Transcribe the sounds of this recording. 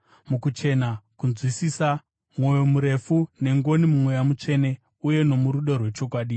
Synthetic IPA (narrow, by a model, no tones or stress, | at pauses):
mukut͡ʃe̞nakunzwisisa | mwo̞jo̞muɾe̞fune̞ŋɡo̞nimumwe̞jamut͡ʂe̞ːne̞ | uje̞no̞muɾuɗerwe̞t͡ʃo̞kwaːɗi